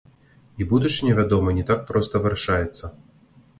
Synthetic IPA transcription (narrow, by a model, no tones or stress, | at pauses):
ibud̪ut͡ʂɨnʲɛvʲad̪ɔmɐnʲɛt̪ak̚pɾɔst̪ɐvɨɾaʂajɛt̪sːɐ